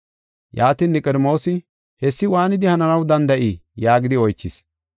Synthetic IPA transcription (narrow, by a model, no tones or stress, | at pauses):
jaːt̪iːnːɪkʼɛɾmo̞ːsɪ | hɛsːɪwaːnɪd̪ɪhɐnɐnɐwd̪ɐnd̪ɐʔijaːɡɪd̪ɪɔjt͡ʃːɪs